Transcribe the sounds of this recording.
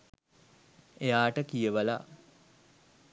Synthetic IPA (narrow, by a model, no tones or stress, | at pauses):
ejaːʈəkijəʋəla̰